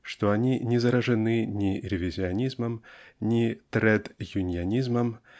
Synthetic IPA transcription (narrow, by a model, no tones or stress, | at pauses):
ʂt̪ɔanʲinʲɛzɐɾɐʐɨnɨnʲiɾʲɛvʲizʲianʲizmɐmnʲit̪ɾɛd̪junʲijanʲizmɐm